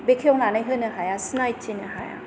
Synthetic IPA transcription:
bekʰeɔŋlanajɦɯnɯɦajasnajtʰinɯɦaja̰

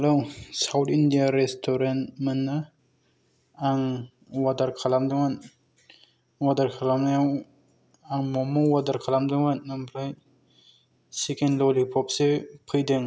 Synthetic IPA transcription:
hɛlowsawtʰindijaɾestʰɔɾantmɯnːa | aŋ | wad̪aɾkʰalamdɯŋan | wadaɾkʰalamnaw | aŋmɔmɔwadaɾkʰalamd̪ɯŋatnɯmpʰlaj | sikenlɔlipʰɔp̚sepʰɯjdeŋ

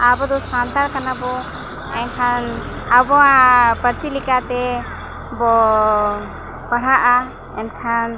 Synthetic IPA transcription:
abɔd̪ɔsant̪aɾkanabɔ | ankʰan | abɔapəɾsilikat̪ɛ | bɔ | pəɽ̤aʔa | ɛnkʰan

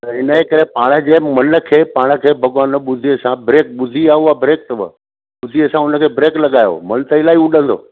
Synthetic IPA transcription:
t̪ɐɪnəeːkɐɾepaːɽ̃ə̆d͡ʑeːmɐnə̆kʰeːpaːɽ̃ə̆kʰeːbʱɐɠwaːnə̆ɓʊd̪ʱiɐsãbɾeːk̚ɓʊd̪ʱiaːuabɾeːk̚t̪ɐʋə̰ | ɓʊd̪ʱiɐsãʊnə̆kʰeːbɾeːklɐɠaːjo̰mɐnt̪əɪlaːiʊɗə̃nd̪o̰ː

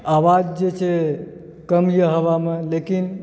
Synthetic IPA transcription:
awad͡ʒd͡ʒet͡ʃʰe | kəmjəɦəβamelekin

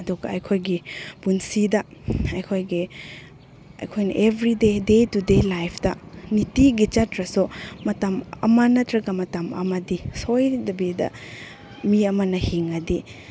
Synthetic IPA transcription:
ɐduɡɐɐjkʰojɡipunsidɐɐjkʰojɡi | ɐ̰jkʰojnɐ̰ʔebʱɾidedetudelajpʰdɐnitiɡit͡ʃɐtɾɐsumɐtamɐ̰mɐnɐtɾɐɡɐmɐtɐmɐ̰mɐdisojdɐbidɐ̰ | miɐmɐnɐhiŋɐdi

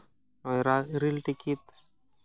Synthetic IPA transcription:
ɔjɾaɾilʈikit̪

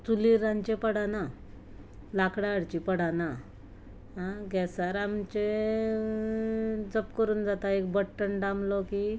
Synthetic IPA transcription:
t͡suliɾãɲt͡ɕepəɽ̤ana | lakɽaɽt͡ɕipəɽ̤ana | ɦãɡɛsaɾamt͡ɕe | d͡zəpkəɾuːnd͡zat̪aek̚bəʈːəɳɖãmlɔki

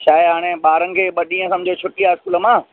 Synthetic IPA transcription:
t͡ɕʰaːeɦaːɽ̃eɓaːɾənɪ̆kʰeːɓɐɗĩːə̃sɐmd͡ʑʱot͡ɕʰʊʈiaːɪskuːlə̆mãː

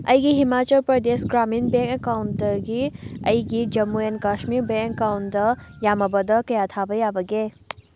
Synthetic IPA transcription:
əjɡiɦimaːt͡ʃəlpɾəd̪esɡɾaːminbekawnt̪əɡiə̰jɡid͡ʒɐmːuenkaʃmiɾbẽkawnd̪əjamɐbɐd̪əkɐjat̪ʰabəjabəɡe

